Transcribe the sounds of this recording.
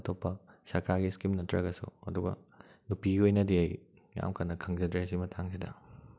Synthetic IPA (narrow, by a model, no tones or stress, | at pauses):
ɐtʰopːɐsɐkʰɾaɡiskimnɐtːɾɐɡɐsṵɐ̰duɡɐ̰nupiɡiojnɐdiaj | ja̰mkʰanːɐkʰɐŋzɐdɾes̬imɐtʰaŋs̬idɐ̰